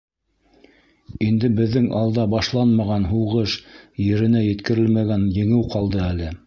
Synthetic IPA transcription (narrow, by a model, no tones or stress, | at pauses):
ind̪ɘbɘ̆ðːɘŋʔɑlˠd̪ɑbɑʃlˠɑnmɑʁɑnɦuʁɤʃjɘ̆ɾɘ̆næjɘ̆t̪kɘ̆ɾɘlmæɡænjɘ̆ŋɘwqɑlˠd̪ɤælɘ